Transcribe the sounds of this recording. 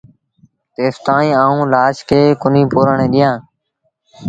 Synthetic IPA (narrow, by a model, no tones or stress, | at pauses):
t̪eːst̪ãːnĩːaːũːlaːʃkʰeːkʊnĩːpoːɾəɳẽːɗ̪ɪjãː